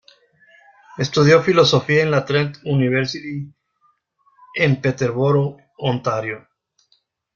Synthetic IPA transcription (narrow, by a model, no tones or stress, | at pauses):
e̞st̪uðjo̞filo̞so̞fiaenlat̪ɾent̪uniβeɾsit̪i | empet̪eɾβoɾo | ont̪aɾjo